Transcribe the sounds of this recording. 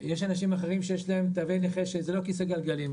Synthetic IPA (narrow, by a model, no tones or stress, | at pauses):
jeʃanaʃimaχeʁimʃejeʃlaemt̪aːvileχeʃezelo̞kiseɡalɡalim